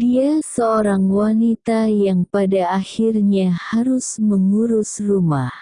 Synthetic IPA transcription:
diasəoɾaŋwanit̪ajaŋpadaːhirɲahaɾʊsməŋuɾʊsrumah

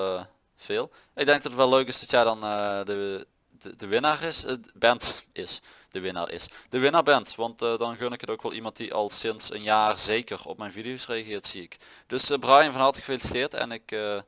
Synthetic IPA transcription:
v̥ɪːlˠ | ɪɡ̚dɛŋɡ̚dɑtətʋɛløɥkɪsdɑtjɛjdɑnədə | ədəʋɪnaːrɪsbɛntɪs | d̥əʋɪna̰ːɹʔɪ̰sd̥əʋɪnaːɹbɛntʋɑntdɑnxønəkətowkʋɛlˠʔimɑnt̚diʔɑ̰lˠsɪnsə̰njaːrzejkərɔ̰pmɛjnvidijowsrejɑɣɪːɹtsiɪk | d̥ɵsbrɑjənvɑnɦɑtəɣə̥felistɪːɹtɛ̰nɪkə

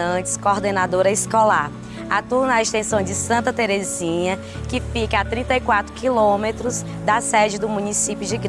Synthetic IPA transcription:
ɐ̃t͡ʃɪ̥skoɾd̪enad̪oɾɐiskolaɾ | at̪uɾnɐest̪ẽsɐ̃w̃d͡ʒɪsɐ̃nt̪ɐt̪eɾezĩɲɐ | kɪfikɐat̪ɾĩnt̪ɐikwat̪ɾʊkilõmet̪ɾʊz | d̪ɐsɛd͡ʒɪd̪ʊmũnisipjʊd͡ʒɪɡɾ

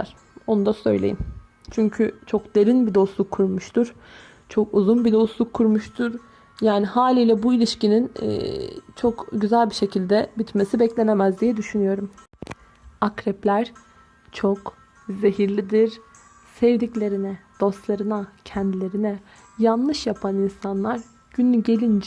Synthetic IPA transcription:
aɾ̥ | o̞nud̪asø̞̰jlʲḛjim | t͡ʃʰyɲcʰyt͡ʃʰo̞kd̪̥e̞ɾinbid̪o̞slˠukʰːuɾmuʃt̪ʰuɾ̥ | t͡ʃʰo̞kuzunbid̪o̞slˠukʰːuɾmuʃt̪ʰuɾ | jaːnihaːlʲiːlʲɛbuilʲiʃcininɛ̰t͡ʃʰo̞kɟyzælʲbiʃe̞cʰilʲd̪ɛbit̪me̞sibɛclʲe̞nemæzd̪ijɛd̪yʃynyjo̞ɾum | akɾɛplʲæɾ̥ | t͡ʃʰok | ze̞ɦiɾlʲid̪iɾ | sɛvd̪iclʲe̞ɾinɛd̪̥o̞st̪lˠaɾɯnacʰɛnd̪ilʲe̞ɾinɛ | janlˠɯʃjapʰaninsanlˠaɾ | ɟ̥ynːʲyɟe̞lʲind͡ʒ

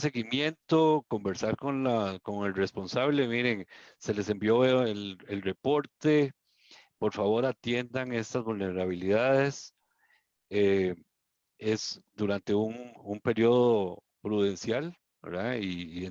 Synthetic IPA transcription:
se̞ɣimje̞nt̪oko̞mbe̞ɾsaɾko̞nlako̞ŋe̞lre̞spo̞nsaβle̞miɾe̞ŋse̞le̞se̞mbjo̞eoelelre̞po̞ɾt̪e̞ | po̞ɾfaβo̞ɾat̪je̞nd̪aŋe̞st̪azβulneɾaβ̞iliðaðe̞s | e | esd̪uɾant̪e̞uŋumpe̞ɾjo̞ð̞o | pɾuðe̞nsjal | bḛɾðaiːe

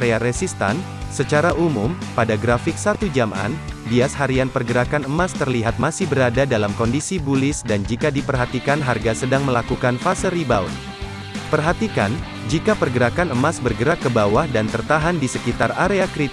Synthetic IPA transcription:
ɾeaɾɛsist̪a̰n | sət͡ʃaɾaʔumʊmpadaɡɾafɪk̚sat̪ud͡ʒama̰nbiashaɾianpərɡəɾakanəmast̪ərliɦat̪̚masɪhbəɾadadalamkɔndisibulɪsdand͡ʒikadipərɦat̪ikanɦarɡasədaŋməlakukanfasəɾibaun | pərɦat̪ika̰n | d͡ʒikapərɡəɾakanəmasbərɡəɾakːəbawahdant̪ərt̪aɦandisəkit̪araɾeakɾi

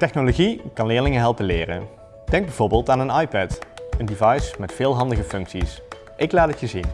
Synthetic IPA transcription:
tɛχnoloɣikɑnlɪːɹlɪŋəɦɛlˠpənlɪːrə̰n | d̥ɛŋɡ̚bɛjvoːɹbɪːlˠtaːnənɑjpɛtəndivɑjsmɛtfɪːlˠɦɑndəɣəfɵŋksis | ʔɪklaːtətjəzin

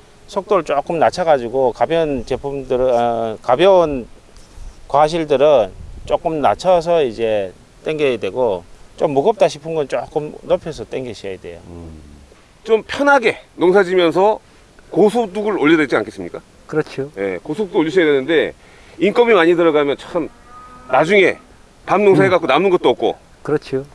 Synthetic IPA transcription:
sʰok̚t͈oɾɯɭt͡ɕ͈ok͈ɯmnat͡ɕʰaɡad͡ʑiɡokabjʌnt͡ɕe̞pʰumdɯɾɯkabjʌn | kwaɕʰiɭdɯɾɯnt͡ɕ͈ok͈ɯmnat͡ɕʰʌs̬ʰʌid͡ʑe̞ | t͈weŋɡedwe̞ɡot͡ɕ͈omːuɡʌp̚t͈aɕʰipʰɯnɡʌnt͡ɕ͈ok͈ɯmnopʰjʌsʰʌt͈eŋɡeɕʰiʌjedwe̞̰jo | t͡ɕompʰjʌnɦaɡe̞noŋsʰad͡ʑimjʌns̬ʰʌ | kosʰoduɡɯɾoʎːʌdet͡ɕia̰nkʰes͈ɯmɲik͈a | kɯɾʌt͡ɕʰioje̞̰kosʰot͈ooʎːiɕ̬ʰjadwenɯnde̞ | ink͈ʌmimaɲidɯɾʌɡamjʌnt͡ɕok͈ɯm | nad͡ʑuŋe̞ | pamnoŋsʰaɦeɡatk͈onanɯnɡʌt͈̚oʌk̚k͈o̰ | kɯɾʌt͡ɕʰio

